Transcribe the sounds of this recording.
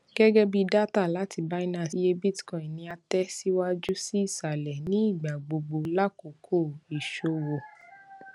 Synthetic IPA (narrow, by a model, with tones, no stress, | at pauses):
ɡ̥ɛ˦ɡɛ˦bi˧da˦ta˦˨la˨˦ti˧˨ba˦i˦nã˦˨si˧˦je˧˦bi˦tkɔ̃˨ĩ˨nĩ˧a˧tɛ˦si˦wa˦d͡ʒu˦si˦i˦˨ʃa˨lɛ˨nĩ˨˦i˦˨ɡ͡ba˨ɡ͡bo˧ɡ͡bo˧la˦ko˨kʰo˦˨i˨ʃo˨wo˧